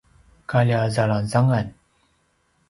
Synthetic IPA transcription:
kalʲazalanzaŋan

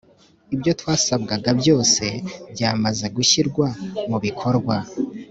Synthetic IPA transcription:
ibjo̞twaːsab̚ɡaɡabjo̞ːse̞bɟaːmaze̞ɡuçiɾɡwamuβikʰo̞ɾɡwa

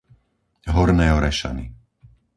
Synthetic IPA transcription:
ɦɔɾnɛːɔɾɛʃa̰nḭ

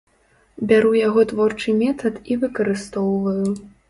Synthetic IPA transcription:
bʲaɾujaɣɔt̪vɔrt͡ʂɨmʲɛt̪ɐt̪ivɨkɐɾɨst̪ɔwvɐju

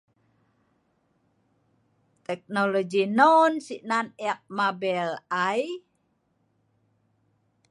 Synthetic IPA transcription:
t̪ɛk̚nolod͡ʒinonsiʔnaniak̚mabɛlaj

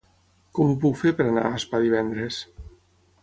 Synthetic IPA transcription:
kɔmup̬ukfeɾpeɾana̰aspaðiβ̞ɛnd̪ɾes

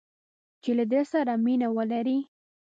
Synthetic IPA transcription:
t͡ʃelad̪esaɾaminawəlaɾi

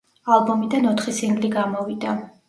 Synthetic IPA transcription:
alˠbɔmid̪anɔt̪ʰχisiŋɡliɡamɔvid̪a

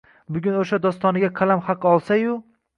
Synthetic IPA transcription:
bʊɡʲʊnoʃad̪ɒst̪ɒnɪɡʲaqʰɑlamhɑqʰːɨɒlˠsajʊ

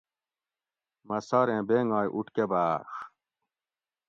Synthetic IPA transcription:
mɐsɐɾẽːbeːŋɡaːjʔuʈkebaːx

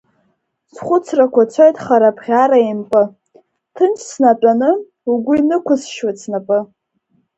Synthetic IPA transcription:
sχʷʊt͡sʰrakʷʰat͡sʷʰajtʼχaɾapʰʁʲaɾaimpʼɨ | tʰɨnt͡ʃʰʼsnat͡pʷʼanɨ | uɡʷʊinɨkʷʊsʃwat͡sʰnapʼɨ

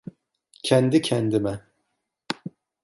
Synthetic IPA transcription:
cʰɛnd̪icʰɛnd̪imɛ

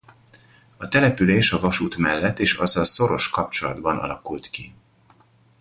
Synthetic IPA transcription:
ɒt̪ɛlɛpyleːʃɒvɒʃuːt̪mɛlːɛt̪ːeːʃɒzɒlso̞ɾo̞ʃkɒp̚t͡ʃo̞lɒd̪bɒnʔɒ̰lɒkult̪ki

